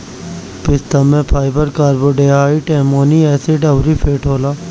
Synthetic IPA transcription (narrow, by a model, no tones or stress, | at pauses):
pɪst̪ɐmẽpʰaːɪbəɾkaːɾboːɖeːaːiʈɛ̃ːmoːniɛːseɖɐbɾipʰeːʈɦoːlaː